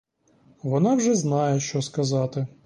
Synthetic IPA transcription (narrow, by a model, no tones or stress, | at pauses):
ʋɔnɑwʒɛznɑjɛʃt͡ʃɔskɐzɑt̪ɪ